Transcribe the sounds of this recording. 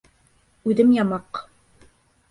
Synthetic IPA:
ʉðɘmjɑmɑq

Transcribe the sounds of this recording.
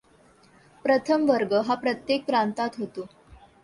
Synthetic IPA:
pɾət̪ʰəmʋəɾɡəɦapɾət̪jek̚ːɾant̪at̪ɦot̪o

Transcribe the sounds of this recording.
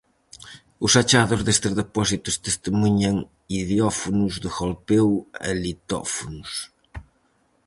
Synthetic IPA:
ʊsat͡ʃaðʊzðest̪ɪzðepɔsit̪ʊst̪est̪emuɲɐŋ | iðjɔfunuzðɪxolpewɛ̰lit̪ɔ̰funus

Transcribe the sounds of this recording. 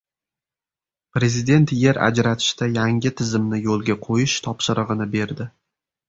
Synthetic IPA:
pɾe̞zɪd̪e̞nt̪je̞ɾa̰d͡ʒɾat̪ʰɪ̥ʃt̪ajaŋʲɪt̪ʰɪzɪmnɪjolˠɡʲaqʰojɪʃt̪ʰɒpʃɪɾɨʁɨnɪbe̞ɾd̪ɪ

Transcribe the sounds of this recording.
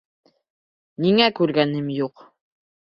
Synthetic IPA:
niŋækʉɾɡænɘmjuq

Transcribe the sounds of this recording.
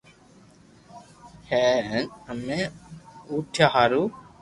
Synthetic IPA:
heːnəmẽ | uːʈʰjaːɦaːɾuː

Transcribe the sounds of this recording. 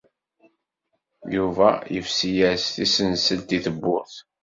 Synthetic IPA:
juvæ̰jəfsijæsθisənsəlt̪iθəbːʊɾθ

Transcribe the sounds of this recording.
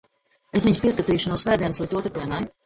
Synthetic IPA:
es̬viɲuspiɛskat̪iːʃunuɔsvæːd̪ʲiɛnslˠiːd̪uɔt̪ɾɨkiɛnaj

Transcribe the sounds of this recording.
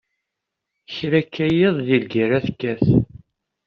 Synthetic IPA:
çɾækːæjeðˤðilɡiɾæθkːæθ

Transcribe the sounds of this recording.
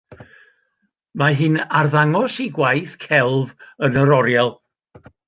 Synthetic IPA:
maɦɨnarðaŋɔsiɡwajθkʰɛlˠvənəɾɔɾjalˠ

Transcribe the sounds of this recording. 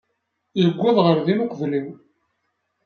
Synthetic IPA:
ləɡʷːæðˤʁəɾðinukʷəvliw

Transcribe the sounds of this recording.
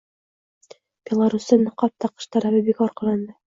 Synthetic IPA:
b̥ʲelˠaɾusɤnqɑp̚t̪ɑqɤ̥̆ʃt̪ɑɾæβɘbikɒɾqɑ̆lˠɑnd̪ɤ

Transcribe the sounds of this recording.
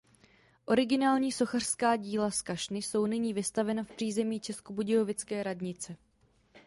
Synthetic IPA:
ʔo̞ɾɪɡɪnaːlɲiːso̞xar̥skaːɟiːlaskaʃnɪso̞wnɪɲiːvɪst̪avɛnafpr̥iːzɛmiːt͡ʃɛskobuɟɪo̞vɪt͡skɛːɾadɲɪt͡sɛ

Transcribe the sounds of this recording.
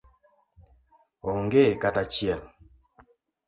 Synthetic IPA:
ɔŋɡekatat͡ʃjɛl

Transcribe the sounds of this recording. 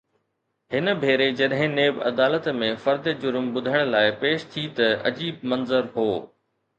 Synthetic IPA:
hɪnəbʱeːɾed͡ʑɐɗɦɪ̃neːbɐ̰d̪aːlət̪mẽfɐɾd̪d͡ʑʊɾmɓʊd̪ʱəɽ̃̆laːɪpeːʃt̪ʰit̪ɐɐ̰d͡ʑiːb̚mɐnzəɾɦoː

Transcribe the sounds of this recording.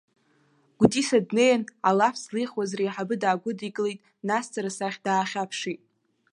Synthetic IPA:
ɡ̥ʷtʼisadnejana̰lafʰslijχwazreːħabɨdaːɡʷʊdiɡʼɨlejtʼ | nast͡sʰʼaɾasaχʲdaːχʲapʰʂitʼ

